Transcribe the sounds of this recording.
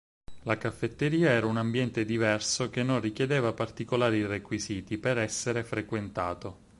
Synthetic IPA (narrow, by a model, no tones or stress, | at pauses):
lakafːet̪ːeɾiːaɛːɾaunambjɛnt̪ed̪ivɛrsokenːonrikjed̪eːvapart̪ikolaːɾirekwiziːt̪ipeɾɛsːeɾefɾekwent̪aːt̪o